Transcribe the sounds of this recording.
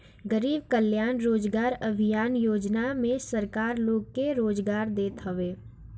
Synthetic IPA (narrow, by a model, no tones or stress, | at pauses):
ɡəɾiːbkəljaːnɾoːd͡ʒɡaːɾɐbʱijaːnjoːd͡ʒnamẽsəɾkaːɾloːɡ̚keɾoːd͡ʒɡaːɾd̪eːt̪ɦɐʋeː